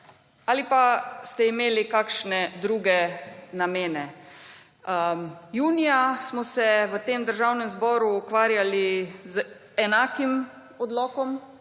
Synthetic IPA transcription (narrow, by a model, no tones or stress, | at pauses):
alipast̪ɛimeːlikaːkʃnɛd̪ɾuːɡɛnameːnɛ | juːnijasmɔsɛʋət̪eːmd̪əɾʒawnɛmzbɔːɾuːkʋaːɾjaliz | ɛnaːkim | ɔd̪lɔːkɔm